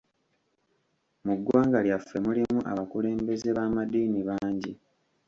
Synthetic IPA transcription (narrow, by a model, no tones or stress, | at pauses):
muɡːwaːŋɡaljafːe̞mulimuʔa̰βakule̞ːmbe̞ze̞βaːmad̪iːniβaːɲɟi